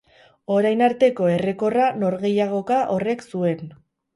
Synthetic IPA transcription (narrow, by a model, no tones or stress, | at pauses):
o̞ɾajnaɾt̪e̞ko̞e̞re̞ko̞rano̞ɾɣe̞jaɣ̞o̞kaʔo̞re̞ksue̞n